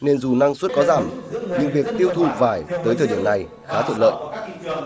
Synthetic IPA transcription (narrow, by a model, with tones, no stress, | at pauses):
ne˧nzu˨˩na˧ŋswt̚kɔ˨˦zaː˧˩mɲɨ˧ŋvi˨˩ək̚t̪i˧əwt̪ʰṵ˧˨vaː˧˩jt̪əː˨˦jt̪ʰəː˧˩ɗi˧˩əmna˨˩j | xaː˨˦t̪ʰə̰˧˨nlə̰ː˧˨jʔ